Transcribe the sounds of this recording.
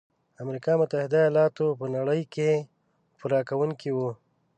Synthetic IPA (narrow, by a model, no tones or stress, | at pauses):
amɾikɑmʊt̪ahɪd̪ajɑlɑt̪opənaɽəjke | puɾɑkawuŋkiwu